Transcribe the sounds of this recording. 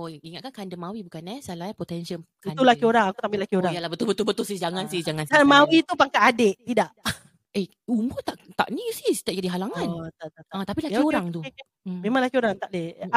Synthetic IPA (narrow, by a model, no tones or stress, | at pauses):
oiŋat̪̚kankandəmawibukanɛsalapot̪ɛnsəl | kiat̪ulakioɾaŋakut̪abilakioɾaŋjalabət̪ʊbət̪ʊlbət̪ʊlsihd͡ʒaŋansihd͡ʒaŋankamawit̪upaŋkaʔadeʔt̪idaʔ | e | umʊt̪aʔt̪a̰ʔnisiht̪aʔd͡ʒadiɦalaŋant̪at̪at̪aat̪apilakkoɾaŋt̪u | memaŋlakioɾaŋt̪aʔdeh